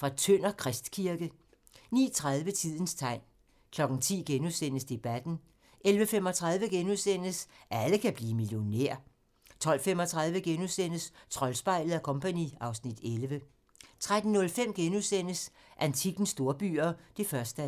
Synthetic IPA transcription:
fʁɑ̈t͡sʰøn̰ɐkʰʁɛsd̥kʰiɐɡ̥ə | nḭːt͡sʰʁað̞ˠʋət͡sʰið̞̰ˠn̩st͡sʰɑ̈ɪ̰n | kʰlɒ̽ɡ̥n̩t͡sʰḭːɡ̥enusen̰əsd̥e̝b̥æd̥n̩ | ʔelʋəfemɒ̽t͡sʰʁaðˠʋəɡ̥enuðˠsen̰əsʔæləkʰæb̥liːmiljo̝nḛɐ̰ | t͡sʰɒ̽l̰femɒt͡sʰʁað̞ˠʋəɡ̥enusen̰əst͡sʰʁɒ̽lsb̥ɑ̈ɪ̰lð̩ˠækʰɔ̽mpʰænḭɑ̈ʊsnid̥elʋə | t͡sʰʁad̥n̩nɔ̽lfem̰ɡ̥enusen̰əs | ʔænt͡sʰiɡ̥n̩sd̥o̝ːɐb̥y̰ːɐd̥e̝fɶɐsd̥

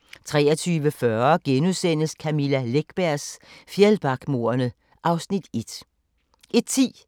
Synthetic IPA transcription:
t͡sʰʁɛ̰ːɐt͡sʰyːʋəfɶɐɡ̥enusen̰əskʰæmilæleɡ̥b̥æɐ̰sfjelb̥ɑ̈ɡ̥mo̝ɐɐnə | ʔɑ̈ʊsnid̥e̝d̥ | ʔe̝d̥̚t͡sʰḭː

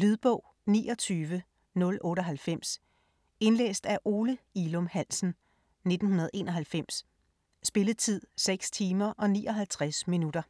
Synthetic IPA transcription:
lyðˠb̥ɔ̽ʊ̰ | nḭːʔɒ̽t͡sʰyːʋə | nɔ̽lʔɔ̽ːɾ̥əɒ̽ɦælfem̰s | e̝nlḛːsd̥æʔo̝ːləilɔ̽mhæn̰sn̩ | ne̝d̥n̩hunɐð̞̩ˠe̝̰ːnɒ̽ɦælfem̰sː | b̥e̝ləðˠt͡sʰið̞̰ˠseɡ̥st͡sʰiːmɐʔɒ̽nḭːɒ̽ɦælt͡sʰʁasminud̥ɐ

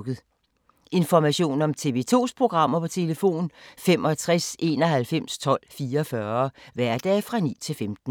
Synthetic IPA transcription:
ɡ̥ð̩ˠ | ʔe̝nfɒmæɕo̝̰ːnɒ̽mt͡sʰe̝ʋe̝ːt͡sʰo̝̰ːspʰʁo̝ɡ̥ʁɑ̈m̰ɐpʰɒ̽t͡sʰe̝ləfo̝̰ːnfemɒ̽t͡sʰʁɛse̝̰ːnɒ̽ɦælfem̰st͡sʰɒ̽l̰fiːɐfɶɐʋæɐ̰d̥ɛ̰ːfʁɑ̈nḭːt͡sʰe̝lfemd̥n̩

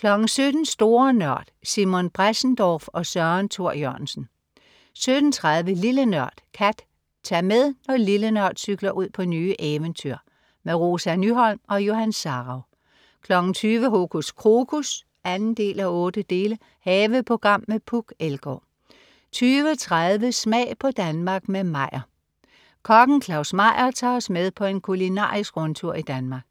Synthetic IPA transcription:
kʰlɒ̽ɡ̥n̩sød̥n̩sd̥o̝ːɐnɶɐ̰d̥simo̝nb̥ʁasn̩d̥ɒfɒ̽sɶɐnt͡sʰo̝ɐ̰jœɐnsn̩ | sød̥n̩t͡sʰʁaðˠʋəlilənɶɐ̰d̥kʰæd̥ | t͡sʰɑmeðˠnɒ̽lilənœɐ̰d̥syɡ̥lɐʔuð̞̰ˠpʰɒ̽nyːʔeʋənt͡sʰyɐ̰ | meʁo̝ːsænyɦɒ̽l̰mɒ̽jo̝ɦænsɑ̈ʁɑʊ | kʰlɒ̽ɡ̥n̩t͡sʰyːʋəɦokʰuskʰʁoɡ̥ʰus | ænn̩d̥e̝̰ːlæɔ̽ːd̥əd̥e̝ːlə | hɛːʋəpʰo̝ɡ̥ʁɑ̈m̰ːepʰuɡ̥elɡ̥ɔ̰ | t͡sʰyːʋət͡sʰʁaðˠʋəsmɛ̰ːɪpʰɒ̽d̥ænmɑ̈ɡ̥memɑ̈ɪ̰ɐ | kʰɒ̽ɡ̥n̩kʰlɑ̈ʊsmɑ̈ɪ̰ɐt͡sʰɑ̈ːɒ̽smeðˠpʰɒ̽e̝nkʰulinɑ̰̈ːisɡ̥ʁɔ̽nt͡sʰuɐ̰id̥ænmɑ̈ːɡ̥

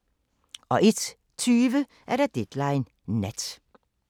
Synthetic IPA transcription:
o̰ːʔɪt̪ | t̪ʰyːʋə | ʔæːɾɛt̪̚d̪ɛd̪̥læɪn | nɛ̰t̪

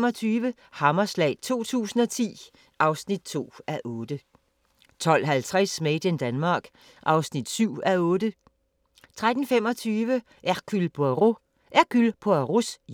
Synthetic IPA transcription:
mɒt͡sʰyːʋə | hɑ̈mɐslɛ̰ɪ̰t͡sʰo̝̰ːt͡sʰṵːsn̩ɒt͡sʰḭː | ʔɑ̈ʊsnid̥̚t͡sʰo̝̰ːæʔɔ̽ːd̥ə | t͡sʰɒ̽l̰ɦælt͡sʰʁasmeɪd̥end̥ænmɑ̈ːɡ̥ | ʔɑ̈ʊsnid̥syʊ̰æɔ̽ːdə | t͡sʰʁad̥n̩fem̰ɒ̽t͡sʰyːʋə | ʔækʰylpʰoæʁo | ʔæɐkʰylpʰoæʁus

